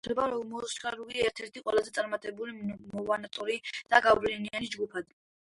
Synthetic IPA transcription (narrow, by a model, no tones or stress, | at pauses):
ɛbaɾɔɡmɔst͡ʃχaɾuɡiɛɾt̪ʰɛɾt̪ʰiqʼwɛlazɛt̪sʼaɾmat̪ʼɛbulimɔvanat̪ʼɔɾid̪̥aɡablinianid͡ʒɡupʰad̪